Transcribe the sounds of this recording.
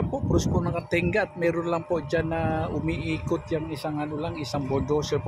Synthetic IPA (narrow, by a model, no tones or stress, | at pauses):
pɔʔpɾʊspʊnakant̪ɛŋɡat̪̚meɾʊnlampɔʔd͡ʒanaumiʔikʊt̪jaŋisaŋanulaŋisaŋbɔdɔsəp